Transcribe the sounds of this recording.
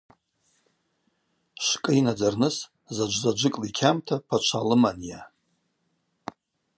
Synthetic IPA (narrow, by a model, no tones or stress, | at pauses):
ʃkʼɨinad͡zarnɨs | zad͡ʒʷzad͡ʒʷɨkʼlikʲʰamtʰapʰat͡ʃʷʰalɨmanja